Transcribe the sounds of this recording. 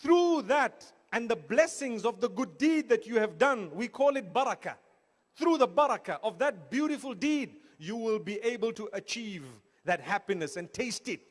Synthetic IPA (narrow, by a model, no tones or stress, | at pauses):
θɹuðət | ɨ̃nðəblɛsɪ̃ŋzɔvðəɡʊdid̪̚ðɨt͡ʃuɨvdʌ̃nwikʰɔlˠɪt̚bʌɾəkə | θɹuðəbʌɾəkəʔɔvðɨt̚bjuɾɪfəlˠdid̚ | juwɪlˠbiʔeɪbəlˠtuʔət͡ʃʰiv | ðɨt̚hæpinɨsɨ̃ntʰeɪstɪt̚